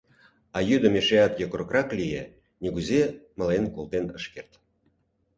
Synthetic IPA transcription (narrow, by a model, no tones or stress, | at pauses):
ɑjyd̪ə̆meʃeɑt̪jokɾəkrɑklʲije | nʲiɡuzeməlenkolt̪enəʃkert̪